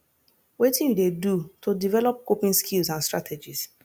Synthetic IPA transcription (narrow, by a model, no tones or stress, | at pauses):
wetĩndedutodivɛlɔp̚kopĩnskʰilsãnstɹatʰed͡ʒis